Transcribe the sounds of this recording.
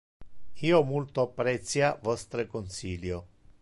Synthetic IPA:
iːomult̪oapːɾɛt̪sjavɔst̪ɾekonsiːljo

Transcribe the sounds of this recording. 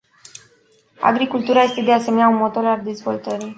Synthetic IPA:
a̰ɡɾikult̪uɾaje̞st̪e̞d̪ease̞meneaunmo̞t̪o̞ɾald̪e̞zvo̞lt̪əɾi

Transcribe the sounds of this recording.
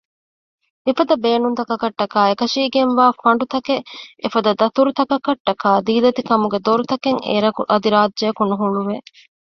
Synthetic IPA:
efɐd̪ɐbeːnunt̪ɐkɐkɐʈːɐkaːekɐʃiːɡenʋaːfɐɳɖut̪ɐkeefɐd̪ɐd̪ɐt̪uɾut̪ɐkɐkɐʈːɐkaːd̪iːd̪ɐt̪ikɐmuɡed̪oɾut̪ɐkeŋḛːɾɐkuʔɐd̪iɾaːdʒeːkunuɦuɳuʋe

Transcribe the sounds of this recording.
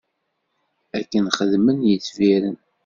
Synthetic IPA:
ækːənχəðmənjət͡sːviɾən

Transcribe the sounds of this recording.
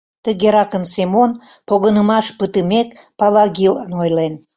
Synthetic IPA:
t̪əɣeɾɑkənsemon | poɣənəmɑʃpət̪əmek | pɑlɑɣilənojlen

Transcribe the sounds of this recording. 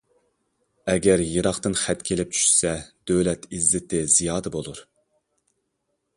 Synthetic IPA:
ɛɡʲæɾjɨɾɑχt̪ɨnχæt̪kʲʰelɪp̚t͡ʃʰy̥ʃsɛd̪̥øwlɛt̪izːɪt̪ʰɪzijɑːd̪ɛbolˠuɾ

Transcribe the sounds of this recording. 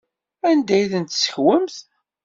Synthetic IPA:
ænd̪æjθənt̪sə̥çwəmθ

